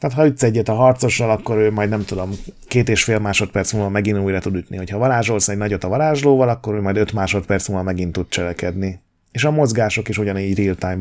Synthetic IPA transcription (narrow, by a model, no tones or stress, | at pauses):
t̪aːt̪ɦɒyt̪sɛɟːɛt̪ɒɦɒrt̪so̞ʃɒlɒkːo̞ɾøːmɒjd̪nɛmt̪ud̪o̞mkeːt̪eːʃfeːlmaːʃo̞t̪pɛrsmuːlvɒmɛɡinuːjrɒt̪ud̪yt̪niɦo̞chɒvɒɾaːʒo̞lsnɛɟnɒɟo̞t̪ɒvɒɾaːʒloːvɒlɒkːo̞ɾøːmɒjd̪øt̪maːʃo̞t̪pɛrt̪smulvɒmɛɡint̪ud̪̚t͡ʃɛlɛkɛd̪ni | eːʃɒmo̞zɡaːʃo̞keʃoɟɒniːɟrilt̪aːɲb